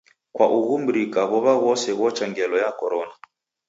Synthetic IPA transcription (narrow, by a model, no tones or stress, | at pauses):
kwaʔuɣumbɾikaβɔβaɣɔsɛɣɔt͡ʃaŋɡɛlɔjakɔɾɔna